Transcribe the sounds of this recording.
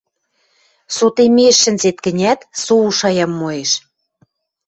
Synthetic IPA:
sot̪emeʃːə̆nzet̪̚kə̆nʲæt̪souʃɑjɑmːoeʃ

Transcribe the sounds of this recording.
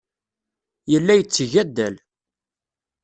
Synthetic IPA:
jəlːæjət͡sːʝæd̪ːæl

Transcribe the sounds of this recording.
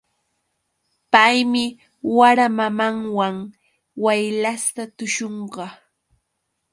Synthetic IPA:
pajmɪ | waɾamamaŋwaŋ | wajlast̪at̪ʊʃoɴɢɑ

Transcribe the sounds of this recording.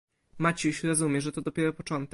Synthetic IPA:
mat͡ɕiɕɾɔzumʲjɛʐɛt̪ɔd̪ɔpʲjɛɾɔpɔt͡ʂɔnt̪ɛ

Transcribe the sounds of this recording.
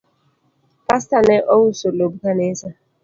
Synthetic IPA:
pastaneʔɔwusolobukanesa

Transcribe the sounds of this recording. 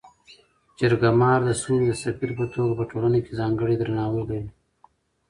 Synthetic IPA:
t͡ʃɪɾɡamɑːɾd̪əsuːld̪əsɐfiɾpət̪oːɡapəʈoːlanekezɑːŋɡəɽed̪ɾɐnɑːwəld̪ai

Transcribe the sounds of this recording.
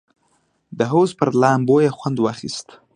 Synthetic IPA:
d̪əɦowzpəɾlɑːmbojaxwand̪wɑxḭst̪

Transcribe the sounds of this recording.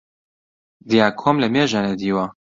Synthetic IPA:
d̪ijaːkʰomlɛmeːʒanɛd̪iːwa

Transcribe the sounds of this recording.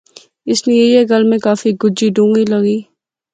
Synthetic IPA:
ɪsnejeieɡɐlmẽkaːfiɡʊd͡ʒiɖũːŋɡilɐɡiː

